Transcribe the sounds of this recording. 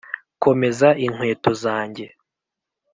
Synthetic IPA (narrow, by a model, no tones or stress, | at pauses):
ko̞me̞zaʔiŋwe̞ːto̞zaːɲɟe̞